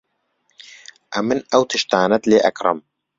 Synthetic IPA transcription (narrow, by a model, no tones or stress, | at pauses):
ʔɐmɨnɐwt̪ʰɨʃt̪aːnɐt̪leːʔɐkrˤɨ̰m